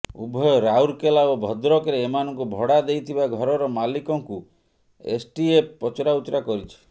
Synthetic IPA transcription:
ubʱɔjɔɾauɾkelaobʱɔd̪ɾɔkɾeːmanɔŋkubʱɔɽad̪ejt̪ʰibaɡʱɔɾɔɾɔmalikɔŋku | ḛsʈieppːɔt͡ʃɔɾaut̪ɾakɔɾit͡ʃʰi̥

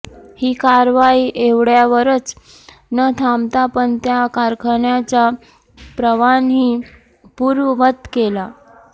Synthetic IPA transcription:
hiːkaɾʋaiːʔeʋɽjaʋəɾət͡s | nət̪ʰamt̪apəɳt̪jakaɾkʰəɳjat͡ɕa | pɾəʋanɦiː | puːɾʋəʋət̪kela

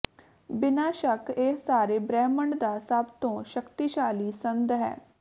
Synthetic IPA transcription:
bɪnaːʃəkesaːɾeːbɾɛːməɳɖd̪aːsəbt̪õːʃəkt̪iːʃaːliːsənd̪ɦɛ̰ː

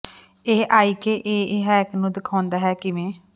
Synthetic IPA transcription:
eːʔaːiːkeːʔeːɪɦɛːknũːd̪ɪkʰaːnd̪aːɦɛːkɪʋẽː

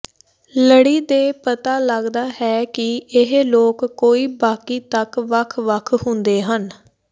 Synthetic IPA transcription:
ləɽiːd̪eːpət̪aːləɡd̪aːɦɛːkɪɪɦloːkːoːiːbaːkiːt̪əkʋəkʰʋəkʰhʊnd̪eːɦən

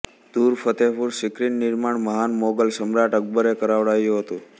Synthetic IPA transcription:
d̪̥uɾfʰət̪epuɾsɪkɾinːɪɾmaɳməɦanmoɡəlsəmɾaʈək̚bəɾekəɾaʋɽajũɦət̪ũ

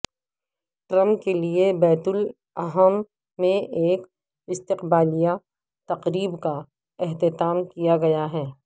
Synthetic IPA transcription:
ʈɾɐ̃mpkeliebɛːt̪ʊl | ɐɦəmː | ẽʔeːk | ɪst̪ɪqbaːlija | t̪ɐqɾiːbka | ɛɦt̪ɪt̪aːmkijaɡɐjaɦɛː

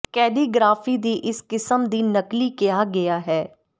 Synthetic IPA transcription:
kɛːɖiːɡɾaːfiːd̪iːʔɪskɪsəmd̪iːnəkliːkɪjaːɡɪjaːɦɛː

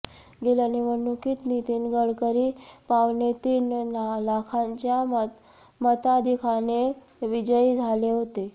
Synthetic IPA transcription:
ɡelaniʋənukʰiːt̪nit̪iːnɡəɽkəɾiːpaʋnet̪iːnlakʰaɲt͡ɕja | mət̪ad̪ʱikʰane | ʋid͡ʑəid͡zʱaleɦot̪e

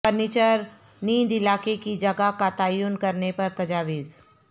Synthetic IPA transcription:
ɐnɪt͡ʃəɾ | niːd̪ɪlaːkekid͡ʒɐɡakat̪aːjuːnkɐɾnepɐɾt̪ɐd͡ʒaːʋiːz

